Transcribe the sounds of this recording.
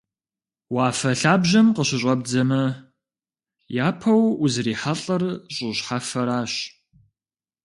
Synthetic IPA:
waːfɐɬaːbʑɐmqəɕɪɕʼɐb̚d͡zɐmɐ | jaːpʰɐwuzriːħaɬʼɐrɕʼʊɕħafɐɾaːɕ

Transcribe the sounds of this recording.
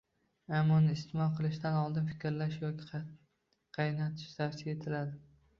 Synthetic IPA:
amːɒnɪɪst̪ɪmɒqʰɨlˠɪʃd̪anɒlˠd̪ɪnfɪ̥kʲɾlaʃjɒkʲɪ̥ | qʰɑjnat̪ʰɪ̥ʃt̪ʰafsie̞t̪ʰɪlad̪ɪ

